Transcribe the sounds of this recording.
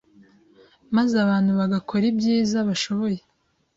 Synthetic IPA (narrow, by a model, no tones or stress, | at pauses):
mazaβaːn̥huβaɡakʰo̞ɾibjiːzaβaʃo̞βo̞je̞